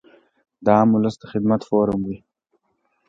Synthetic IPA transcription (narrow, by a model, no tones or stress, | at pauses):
d̪ɑamʊləsd̪əxɪd̪mat̪foːɾəmwi